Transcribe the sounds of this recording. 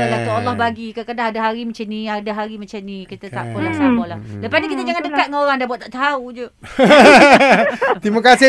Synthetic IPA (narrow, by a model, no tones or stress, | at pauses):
alat̪ualːɔhbaɡikakadaɦadaɦaɾimat͡ʃaniadaɦaɾimat͡ʃanikit̪at̪aʔkɔlaakɔlahlaəpasnikit̪ad͡ʒaŋandəkat̪̚ŋaoɾaŋdabuwat̪aʔt̪aɦaud͡ʒə | t̪imakasi